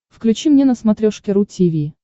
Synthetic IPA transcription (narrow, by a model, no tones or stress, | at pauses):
fklʲʉt͡ɕimnʲenəsmɐt̪ɾʲoʂkʲɪɾutʲivʲi